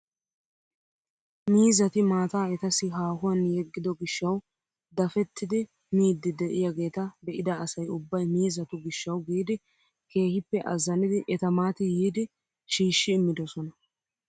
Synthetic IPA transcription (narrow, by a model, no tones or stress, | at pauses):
miːzɐt̪ɪmaːt̪aːɛt̪ɐsɪɦaːhʊwɐnjɛɡːɪd̪ɔɡɪʃːɐw | d̪ɐfɛt̪ːɪd̪ɪ | miːd̪ːɪd̪ɛʔɪjɐɡe̞ːt̪ɐb̪ɛʔɪd̪ɐːsɐjʊbːɐjmiːzɐt̪ʊɡɪʃːɐwɡiːd̪ɪ | ke̞ːhɪpːɛʔɐzːɐnɪd̪ɪʔɛt̪ɐmaːt̪ɪjiːd̪ɪ | ʃiːʃːɪːmːɪd̪ɔsɔnɐ